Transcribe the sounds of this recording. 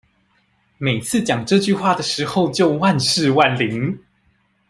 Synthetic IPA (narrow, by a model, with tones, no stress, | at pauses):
me˨˩ɪt͡sʰɹ̩˥˩t͡ɕjɑ˨˩ŋʈ͡ʂɤ˥˧t͡ɕy˥˧xwa˥˩d̪ə˩ʂɻ̩˧˥xo˥˧ʊt͡ɕjo˥˧ʊwa˥˧nʂɻ̩˥˧wa˥˨nli˧˦ŋ